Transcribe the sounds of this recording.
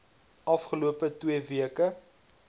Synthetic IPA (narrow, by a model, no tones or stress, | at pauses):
ʔɐfχəluəpətwiəviəkə